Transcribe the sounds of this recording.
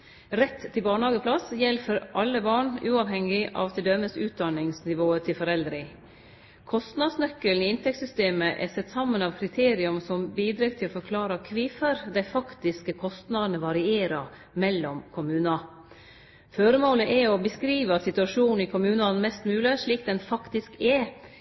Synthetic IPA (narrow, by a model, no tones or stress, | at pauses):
ɾɛt̪ʰːɪlbɑːɳhɑːɡəpʰlɑsjɛlfɔɾʔɑlːəbɑːɳʉːɑʋɦɛŋɪʔɑ̰ːʋt̪ʰɪld̪œməsʉːt̪̚d̪ɑnɪŋsnɪʋoːət̪ʰɪlfɔɾɛld̪ɾɪŋ | kʰɔst̪nɑd̪snœkːəln̩ɪɪnt̪ʰɛksʏst̪eːməʔɛ̰sɛt̪ːsɑmːənɑʋkʰɾɪt̪ʰeːɾɪʊmsɔmbiːd̪ɾeɡt̪ʰɪlɔfɔɾkʰlɑːɾəkʰʋiːfəɾd̪æɪfɑkt̪ɪskəkʰɔst̪nɑd̪nəʋɑɾɪeːɾɑ | mɛlːɔmkʰʊmʉːnɑ | føɾəmoːləʔɛɔbəskɾiːʋəɑt̪sɪt̪ʉɑʂuːnn̩ɪkʰʊmʉːnɑnmɛst̪mʉːləʂɭiːk̚d̪ɛnfɑkt̪ɪskɛ